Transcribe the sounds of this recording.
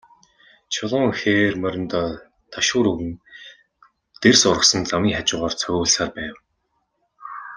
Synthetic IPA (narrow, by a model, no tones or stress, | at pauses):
t͡ɕʰʊɮʊːŋxeːrmœɾʲɪ̆nt̪ɔː | t̪ʰaʃʊːɾɵɣɘ̆n | t̪ersʊɾə̆χsɞ̆nt͡samiːŋχat͡ɕʊːʁɔːrt͡sʰœɣʲʊːɮsaːrpæːw